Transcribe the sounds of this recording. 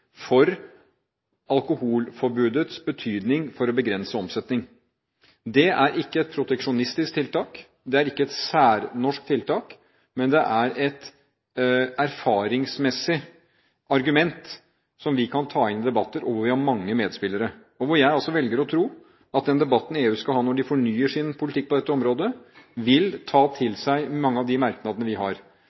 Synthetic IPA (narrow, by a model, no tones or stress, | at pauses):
fɔɾ | ɑlˠkʊhuːlfɔɾbʉːd̪ət̪sbət̪ʰyːd̪nɪŋfɔɾɔbəɡɾɛnsəɔmsɛt̪nɪŋ | d̪ɛæɾɪkːəɛt̪̚pʰɾʊt̪ɛkʂʊnɪst̪ɪsk̚t̪ʰɪlt̪ɑːk | d̪ɛæɾɪkːəɛt̪sæːɾnɔʂk̚t̪ʰɪlt̪ʰɑːk | mɛnd̪ɛʔæɾɛt̪ | æɾfɑːɾɪŋsmɛsɪ | ɑɾɡʉmɛnt̪ | sɔmʋɪkʰɑnt̪ʰɑːɪnɪd̪ɛbɑt̪ːəɾɔʋʋɪhɑɾmɑŋːəmeːd̪spɪlːəɾə | ɔʋʊɾjæɪɑlsɔʋɛlɡəɾɔt̪ʰɾuː | ɑt̪̚d̪ɛnd̪ɛbɑt̪ːn̩ɪeːʉːskɑlɦɑːnɔɖɪfɔɳyːəʂɪnpʰʊlɪt̪ɪk̚ːpʰɔd̪ɛt̪ːəɔmɾoːd̪əʋɪlt̪ʰɑːt̪ʰɪlsæɪmɑŋːəɑʋd̪ɪmæɾknɑd̪ənəʋɪɦɑɾ